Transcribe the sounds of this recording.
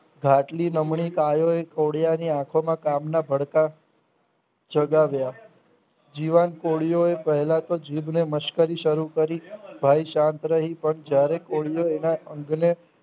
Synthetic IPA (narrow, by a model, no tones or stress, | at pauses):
ɡʱaʈlinəmɳikajoekoɽjaniãkʰomãkamnabʱəɽka | d͡ʒəɡaʋja | d͡ʒiʋankoɭijoepəɦɛlat̪od͡ʒibneməʃkəɾiʃəɾukəɾibʱaiʃãnt̪ɾəɦipəɳd͡ʒjaɾekoɭijoenaəŋɡne